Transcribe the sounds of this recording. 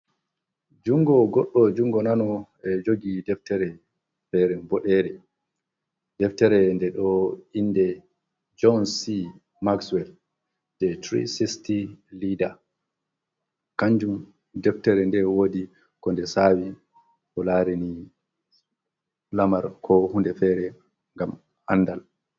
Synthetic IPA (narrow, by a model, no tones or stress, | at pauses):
d͡ʒuŋɡɔɡɔɗːɔd͡ʒuŋɡɔnanɔ | ɛd͡ʒoɡidɛftɛɾɛ | fɛɾɛnbɔɗɛɾɛ | dɛftɛɾɛndɛɗɔinːdɛ | d͡ʒɔnsi | makswɛl | d̥ɛtɾḭsistilida | kaɲd͡ʒum | dɛftɛɾɛndɛwoːdi | kɔndɛsaːwi | kɔlaːɾini | lamaɾkʰɔhundɛfɛɾɛ | ŋɡam | ʔanːdal